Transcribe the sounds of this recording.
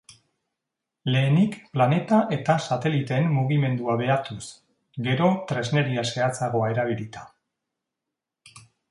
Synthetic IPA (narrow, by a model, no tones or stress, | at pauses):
le̞ːnikplane̞t̪aʔe̞t̪asat̪e̞lit̪e̞mːuɣime̞nd̪uaβe̞aɾt̪us | ɡe̞ɾo̞t̪ɾe̞zne̞ɾiase̞at͡saɣo̞ae̞ɾaβ̞iɾit̪ḁ